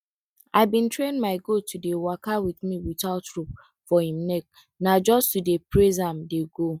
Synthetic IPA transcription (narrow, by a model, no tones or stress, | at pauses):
aɪbĩntɾẽnmaɪɡotudewakawiθmiwitaʊtɾup | fɔhĩmnɛk̚ | nad͡ʒɔstudepɾezãmdeɡo